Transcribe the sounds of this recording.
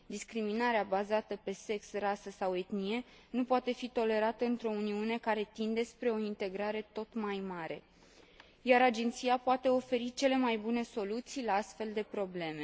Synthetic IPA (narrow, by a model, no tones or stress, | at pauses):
d̪iskɾiminaɾeabazat̪əpe̞se̞ksrasəsawe̞t̪nie̞ | nupoat̪e̞fit̪o̞le̞ɾat̪əɨnt̪ɾo̞uniune̞kaɾe̞t̪ind̪e̞spɾe̞o̞int̪e̞ɡɾaɾe̞t̪o̞t̪majmaɾe̞̰ | jaɾad͡ʒe̞nt̪sijapoat̪e̞o̞fe̞ɾit͡ʃe̞le̞majbune̞so̞lut̪sijlaast̪fe̞ld̪e̞pɾo̞ble̞me̞